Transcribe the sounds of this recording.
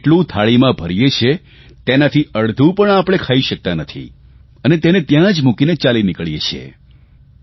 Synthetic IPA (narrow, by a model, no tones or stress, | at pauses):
ʈlũt̪ʰaɭimãbʱəɾijet͡ʃʰe | t̪enat̪ʰiəɭd̪ʱũpəɳapɽ̃ekʰaiʃək̚t̪anət̪ʰḭ | ənet̪enet̪jãd͡ʒmukinet͡ʃalinɪkəɭijet͡ʃʰḛ